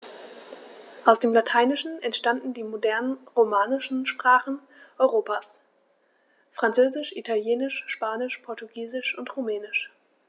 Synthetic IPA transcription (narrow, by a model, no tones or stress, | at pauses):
ʔaʊsd̥eːmlatʰaɪnɪʃn̩ɛntʃtandn̩diːmodɛɐnənʁomaːnɪʃn̩ʃpʁ̥aːχn̩ | ʔɔʏʁoːpaːs | fʁ̥ant͡søːzɪʃʔitʰaljeːnɪʃʃpaːnɪʃpʰɔɐtuɡiːzɪʃʊntʁomɛːnɪʃ